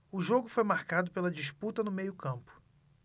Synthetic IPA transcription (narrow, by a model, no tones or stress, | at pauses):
ʊʒoɡʊfojmaɾkad̪ʊpelɐd͡ʒiʃput̪ɐnʊmejʊkɐ̃mpʊ̥